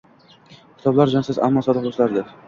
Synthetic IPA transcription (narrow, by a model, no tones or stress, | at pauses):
kʲʰɪ̥t̪ʰɒblaɾd͡ʒansɪza̰mːɒsɒd̪ɨχboslaɾd̪ɪp